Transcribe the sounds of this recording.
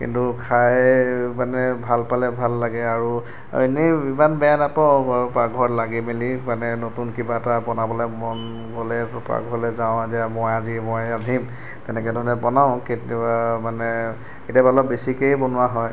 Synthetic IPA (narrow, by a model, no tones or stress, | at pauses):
kḭntukʰajmanɛbʱalpalɛbʱalːaɡɛaɹu | enibimanbɛjanatɔpɹaɡʱɔɹlaɡimelimanɛnotunkibatabɔnabɔlamɔn | ɡɔlɛpɹa̰ɡʱɔlɛzaʊ̃adiamɔjazimɔjadʱim | tɛnɛkɛdʱɔɹɔnɛpɔnaʊ̃ketamanɛ | ketjabalɔbesikejbɔnʊaɦɔj